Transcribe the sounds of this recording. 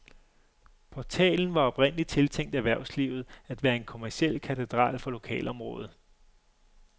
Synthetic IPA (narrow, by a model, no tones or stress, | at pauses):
pʰɒt͡sʰɛ̰ːln̩ʋɑ̈ɒ̽b̥ʁen̰əlit͡sʰe̝lt͡sʰeŋ̰d̥æʋæɐ̰ʊsliʊð̞̩ˠæd̥ʋæːɐe̝nkʰo̝mæɐsiel̰kʰæt͡sʰed̥ʁɑ̰̈ːlfɒ̽lo̝kʰɛ̰ːlɒ̽mʁɔ̽ːð̞̩ˠ